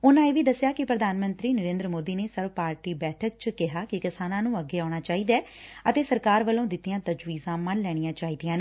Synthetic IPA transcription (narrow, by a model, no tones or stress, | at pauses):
ʊnãːeːʋiːd̪əsːjaːkɪpɾəd̪ʱaːnmə̃nt̪ɾiːnəɾẽːnd̪ɾəmoːd̪iːneːsəɾʋpaːɾʈiːbɛːʈʰək̚t͡ʃkɪɦaːkɪkɪsaːnãːnũːəɡːeːaːɽ̃aːt͡ʃaːiːd̪aɛːət̪eːsəɾkaːɾʋəlõːd̪ɪt̪ːijãːt̪əd͡ʒʋiːzãːmənlɛːɽ̃ijãːt͡ʃaːiːd̪ijãːneː